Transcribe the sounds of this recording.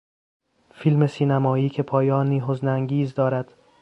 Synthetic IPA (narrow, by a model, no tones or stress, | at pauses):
filme̞siːnæmɒːiːkcʰe̞pʰɒːjɒːniːɦozneæŋɟiːzd̪ɒːɾæd̪̥